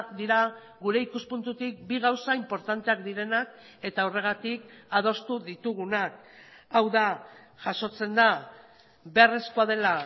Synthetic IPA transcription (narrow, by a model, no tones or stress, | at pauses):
kd̪iɾa | ɣuɾe̞ikuspunt̪ut̪ik̚biɣ̞awsaimpo̞ɾt̪ant̪e̞akd̪iɾe̞nak̚ | e̞t̪aore̞ɣ̞at̪ikað̞o̞st̪uðit̪uɣ̞unak̚ | awða | ʝaso̞t͡se̞nd̪a | βe̞reskoað̞e̞la